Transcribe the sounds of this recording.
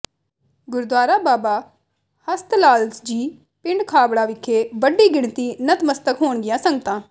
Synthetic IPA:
ɡʊɾd̪aːɾaːbaːbaː | həst̪laːlsd͡ʒiː | pɪɳɖkʰaːbɽaːʋɪkʰːeːʋəɖiːɡɪɳt̪iːnət̪məst̪əkɦoːɳɡɪjãːsəŋɡət̪ãː

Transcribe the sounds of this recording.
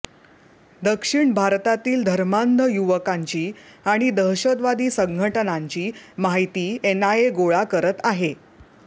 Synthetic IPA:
d̪əkʂiɳbʱaɾt̪at̪iːld̪ʱəɾmand̪ʱəjuʋəkaɲt͡ɕiːaɽ̃id̪əɦɕəd̪ʋad̪iːsəŋɡʱəʈənaɲt͡ɕiːmaɦit̪iːenaeɡoɭakəɾət̪aɦe

